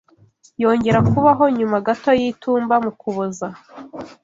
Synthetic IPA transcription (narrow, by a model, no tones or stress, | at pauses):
jo̞ːɲɟe̞ɾakuβaɦo̞ɲumaɡato̞jituːmbamukuβoza